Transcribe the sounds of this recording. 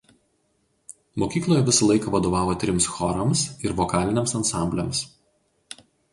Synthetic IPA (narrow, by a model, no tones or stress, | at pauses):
moːkʲiːklˠoːjɛʋʲɪsɐlˠɐɪkɑʋɐd̪oːʋɑːʋoːt̪ʲɾʲɪmsxɔɾɐmsɪɾʋɔkɑːlʲɪnʲɛmsɐnsɑˑmʲbʲlʲɛms